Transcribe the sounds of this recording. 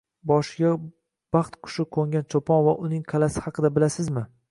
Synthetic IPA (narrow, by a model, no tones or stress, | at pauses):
bɒʃɪɡʲa | b̥ɑχt̪qʰʊ̥ʃɪkʰoŋʲant͡ʃʰopʰɒnvaʔʊnɪŋqʰalasɪ̥hɑqʰɨd̪abɪlasɪzmɪ